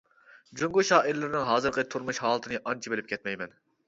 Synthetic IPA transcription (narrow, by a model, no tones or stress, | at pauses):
d͡ʒøŋɡuʃɑːiɾlɪɾnɪŋɦɑːzɨɾqət̪ʰuɾmuʃɦɑːlˠɨt̪ʰɨnɨʔɑnt͡ʃʰibɪlɪp̚kʲʰɛt̪mɛjmɛn